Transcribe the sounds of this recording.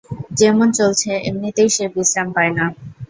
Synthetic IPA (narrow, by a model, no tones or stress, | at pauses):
d͡ʑɛmont͡ɕolt͡ɕʰeemnit̪ejʃebisɾampaena